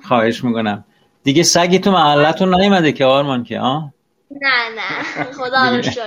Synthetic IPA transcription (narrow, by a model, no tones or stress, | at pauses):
xɒːhe̞ʃmiːkonæm | d̪̥iɡʲesæɡiːt̪ʰomæɦælːæt̪ʰunːæjomæd̪ekʰeɒːɾmɒnkʰḛʔɒː | nænæχod̪